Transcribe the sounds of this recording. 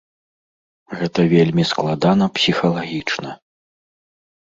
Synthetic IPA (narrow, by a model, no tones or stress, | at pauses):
ɣɛt̪ɐvʲelʲmʲisklˠad̪an̪ɐpsʲixɐlˠaɣʲit͡ʂnɐ